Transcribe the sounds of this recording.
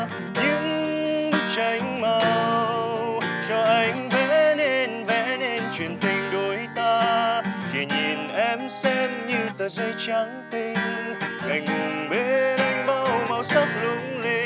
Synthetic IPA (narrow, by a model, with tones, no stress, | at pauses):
ɲɨ̰˧˥ŋ̚˦˥ | t͡ɕa˨˦jŋ̟ma˨˧wwt͡ɕɔ˧ʔa˨˧˩jŋ̟vɛ˧˥ne˧nvɛ˧˥ne˧nt͡ɕwḭ˨˩ənt̪ï˨˧˩ŋ̟ɗo˨˦jt̪aː˧ki˨˩ɲi˨˩nʔɛ˧msɛ˧mɲɨ˧t̪əː˨˩zə˧jt͡ɕa˨˦ŋt̪i˧ŋ̟ʔa˨˩jŋ̟ŋʊ˨˩ŋɓe˨˩ʔa˧jŋ̟ɓa˧wma˨˧˩wsa˦˥p̚lʊ˧˦ŋli˧